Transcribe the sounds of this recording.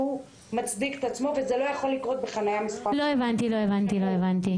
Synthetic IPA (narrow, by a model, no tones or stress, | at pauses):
u | mat͡sd̪ike̥t̪at͡smo̞vezelo̞jaχolːikʁo̞t̪̚beχanajamispaloevant̪iloevant̪iloevant̪i